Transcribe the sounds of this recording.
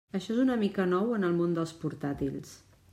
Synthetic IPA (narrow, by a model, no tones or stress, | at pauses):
əʃɔezunəmikənɔwənəlˠmond̪əlˠspuɾt̪at̪ils